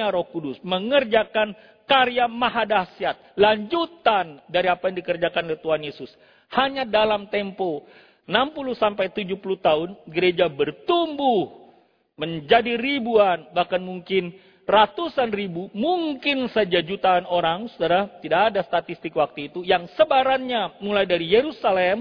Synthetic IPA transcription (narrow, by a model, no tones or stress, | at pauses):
aɾɔhkudʊsməŋərd͡ʒakan | kaɾiamaɦadasiat̪̚laɲd͡ʒut̪andaɾiapajaŋdikərd͡ʒakanolɛt̪uɦanjesʊs | haɲadalamt̪ɛmpo | ənampuluhsampajt̪ud͡ʒuhpuluht̪aɦʊnɡəɾed͡ʒabərt̪umbʊh | məɲd͡ʒadiribuanbahkanmuŋkɪn | rat̪usanribumuŋkɪnsad͡ʒad͡ʒut̪aanoɾaŋsudaɾat̪idaːdast̪at̪ist̪ɪkwak̚t̪uit̪ujaŋsəbaɾanɲamulajdaɾijeɾusalɛm